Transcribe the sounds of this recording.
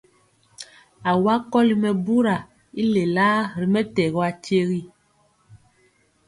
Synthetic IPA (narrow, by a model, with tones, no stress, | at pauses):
a˨wa˦kɔ˦li˨mɛ˨bu˦ɾa˨ | i˦le˨la˦ɾi˨mɛ˦tɛ˨ɣɔ˦a˨t͡ʃe˦ɣi˦